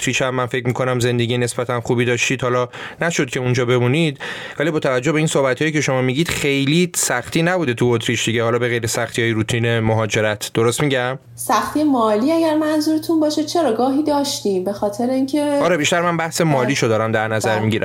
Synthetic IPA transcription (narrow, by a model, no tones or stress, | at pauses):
t̪ʰɾiːt͡ʃæmːænfecmiːkʰo̞næmze̞nd̪e̞ɟijene̞sbæt̪ʰænxubid̪ɒːʃt̪iːd̪hɒlɒnæʃo̞d̪̥̚cʰe̞und͡ʒɒːbe̞munid̪̥vælibɒːt̪ʰævæd͡ʒːobeinsohbæt̪ʰhɒːjicʰe̞ʃo̞mɒːmiːɟiːd̪̥xejlisæxt̪iːnæbuːd̪et̪ʰuot̪ʰɾiːt͡ʃd̪iɟehɒːlɒːbe̞ɣejɾesæxt̪ʰijɒːjiɾuːt̪ʰiːne̞moɦɒːd͡ʒe̞ɾæt̪ʰd̪̥oɾost̪miːɟæm | sæxt̪ʰiemɒːliːæɡæɾmænzuːɾet̪ʰunbɒːʃet͡ʃʰeɾɒːɡɒːɦiːd̪ɒːʃt̪iːmbe̞xɒːt̪ʰeɾeiŋcʰeɒːɾebiʃt̪æɾmænbæhse̞mɒːliːʃod̪ɒːɾæmd̪æɾnæzæɾmiːɟiɾæ̰m